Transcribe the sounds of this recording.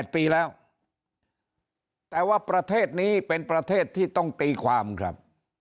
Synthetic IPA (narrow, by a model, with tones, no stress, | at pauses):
t̪̚piː˧lɛː˦˥w | t̪ɛː˨˩waː˥˩pɾa˧t̪ʰeː˥˩t̪̚niː˦˥pe˧npɾa˧t̪ʰeː˥˩t̪ʰːiː˥˩t̪ɔ˥˩ŋt̪iː˧kʰwaː˧mkʰɾa̰˦˥p̚